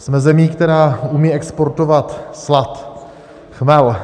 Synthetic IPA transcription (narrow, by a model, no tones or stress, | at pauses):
smɛzɛmiːkt̪ɛɾaːumiːɛkspoɾt̪ovat̪slat̪ | xmɛl